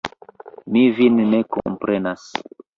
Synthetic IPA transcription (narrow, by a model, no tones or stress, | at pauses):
mivinnekõ̰mpɾɛnas